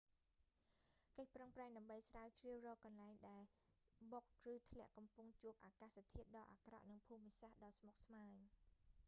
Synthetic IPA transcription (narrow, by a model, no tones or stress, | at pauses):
kəc̚prəŋpraɛŋɗaəmɓəjsraəwt͡ɕriəwrɔːkɑnlaɛŋɗaɛl | ɓok̚rɨːt̪ʰlɛ̆əʔkɑmpuŋt͡ɕuəp̚ʔaːkaːst̪ʰiət̪̚ɗɑːʔa̰ːkrɑ̰ʔnɨŋpʰuːmisahɗɑːsmok̚smaːɲ